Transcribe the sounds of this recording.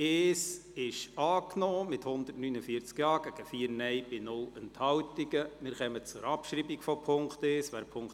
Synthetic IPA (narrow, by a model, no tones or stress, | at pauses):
eːsɪʃɑːknɔːmɪthʊnd̪ərtnynəfiət͡skjɑːɡ̥æɡ̥əfiːəɾnɛjb̥ɪnʊlənthɑwtiɡəmɪɾχɛmət͡sʊɾɑpʃɾiːbikfɔpʰʊŋkteːsʋæːɾpʰʊŋk